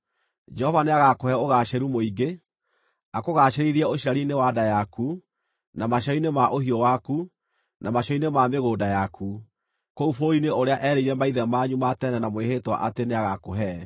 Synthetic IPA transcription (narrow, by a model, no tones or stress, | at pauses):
d͡ʒɛhɔvaneaɣakohɛoɣaʃɛɾumoiɡe | akoɣaʃɛɾiðiɛoʃiɾaɾinewadajaku | namaʃɔinemaʔohiɔwaku | nʔamaʃɔinemameɣoːdajakʰu | koufoɾineoɾeaʔɛɾeiɾɛmaiðɛmaɲumatɛnɛnamwehetwa̰ʔateneaɣakoɦɛ